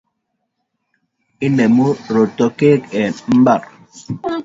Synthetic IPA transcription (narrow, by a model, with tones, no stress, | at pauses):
ɪ˦ne˨mo˦ɾo˨tɔ˨ke˦kɛ˨nm̩˦ba˨ɾ